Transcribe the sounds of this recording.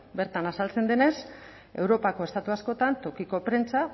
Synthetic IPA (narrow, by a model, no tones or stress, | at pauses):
be̞ɾt̪anasalt͡se̞nd̪e̞ne̞s | ewɾo̞pako̞e̞st̪at̪uasko̞t̪ant̪o̞kiko̞pɾe̞nt͡sa